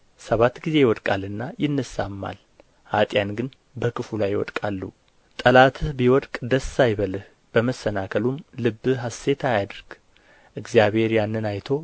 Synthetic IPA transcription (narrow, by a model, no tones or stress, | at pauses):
səβat̪ɡize̞jɪwɔt̪ʼkʼalɨnːajɪnːɨsamːa̰l | hat̪ʼjanɡɨn | bəkʰɨfulajwɔ̰t̪ʼkʼalːṵ | t̪ʼəlat̪ʰɨbiwɔt̪ʼkʼd̪əsːajβəlɨh | b̥əməsːənakʰəlumlɨbːɨɦase̞t̪ʰajad̪ɾɡ̥ | ʔɨɡzijaβhe̞ɾjanːɨnajt̪ʰo̞